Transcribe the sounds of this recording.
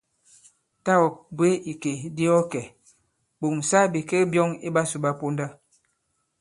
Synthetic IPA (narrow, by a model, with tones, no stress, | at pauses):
ta˦ɔ˨k̚bwe˦i˨ke˨di˦ɔ˦kɛ˨ | bo˨m˨sa˦bi˨ke˦bjɔ˦ŋi˦ba˦su˨ba˦po˦nda˦